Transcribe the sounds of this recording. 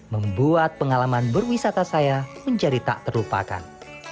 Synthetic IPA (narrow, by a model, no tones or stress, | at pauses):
məmbuat̪̚pəŋalamanbərwisat̪asajaməɲd͡ʒadit̪a̰ʔt̪ərlupa̰ka̰n